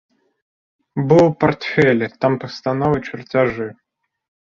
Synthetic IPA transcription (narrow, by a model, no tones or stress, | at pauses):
bɨlˠpɐrt̪fʲɛlʲt̪ampəst̪anɔvɨt͡ɕɪrtʲaʐɨ